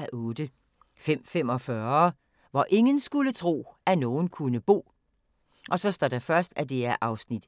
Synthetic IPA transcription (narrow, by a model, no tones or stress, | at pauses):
æʔɔ̽ːd̥ə | fem̰fem̰ɒ̽fɶːɐɐ | ʋɒʔe̝ŋənsɡ̥ulət͡sʰʁo̝̰ːænɔːn̩kʰunəb̥o̝̰ː | ʔɒ̽sɒ̽sd̥ɒ̰d̥efɶɐsd̥æd̥e̝æɐʔɑ̈ʊsnid̥